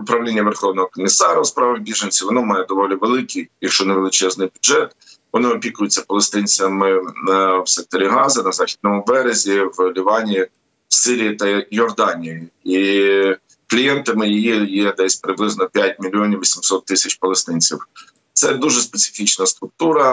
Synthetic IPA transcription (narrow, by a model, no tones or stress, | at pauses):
ʊpɾɐʋlʲinʲːɐʋerxɔwnɔɦɔkɔmʲisɑɾɐspɾɑʋɐɣbʲiʒenʲsʲiʋɔnɔmɑjɛd̪ɔʋɔlʲiʋelˠɪkʲijjɐkʃt͡ʃɔneʋelˠɪt͡ʃɛznɪjbʲʊdʒɛt̪ | ʋɔnɪɔpʲikʊjʊt͡sʲːɐpɔlˠest̪ɪnʲt͡sʲɐmɪ | wsɛk̚t̪ɔɾʲiɦɑzɐnɐzɑxʲid̪nɔmʊbɛɾezʲiwlʲiʋɑnʲiji | wsɪɾʲijit̪ɐjɔrd̪ɑnʲijii | klʲijɛnt̪ɐmɪjijijɛd̪ɛsʲpɾɪblˠɪznɔpʲjat̚ʲmʲilʲːiɔnʲiʋʲisʲimsɔt̪ːɪsʲɐt͡ʃpɔlˠest̪ɪnʲt͡sʲiw | t̪sɛd̪uʒɛspesʲɪ̥fʲit͡ʃnɐst̪ɾʊk̚t̪uɾɐ